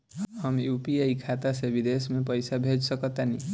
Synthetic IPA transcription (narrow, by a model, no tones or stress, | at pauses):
hʌmjupieikʰat̪asebid̪esmepəjsabʱed͡ʒsʌkʌt̪ani